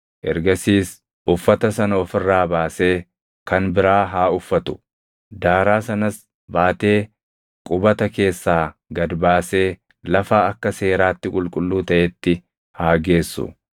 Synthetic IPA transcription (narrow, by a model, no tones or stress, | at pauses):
ʔɛɾɡɐsiːs | ʊfːɐt̪ɐsɐnɔfɪrːaːbaːse̞ː | kɐnbɪɾaːɦaːʊfːɐt̪ʊ̥ | d̪aːɾaːsɐnɐs | baːt̪e̞ː | kʼʊbɐt̪ɐke̞ːsːaːɡɐd̪baːse̞ː | lɐfaːɐkːɐse̞ːɾaːt̪ːɪkʼʊlkʼʊlːuːt̪ɐʔɛt̪ːɪ | haːɡe̞ːsːʊ̰